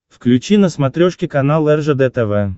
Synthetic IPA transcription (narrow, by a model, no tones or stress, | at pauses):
fklʲʉt͡ɕinəsmat̪ɾʲoʂkʲɪkanalˠɛrʐəd̪ɛt̪ɛvɛ